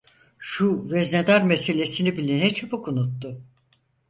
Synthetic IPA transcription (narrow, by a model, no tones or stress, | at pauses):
ʃuvɛzned̪aɾmese̞lʲe̞sinibilʲinɛt͡ʃʰapukunut̪ːʊ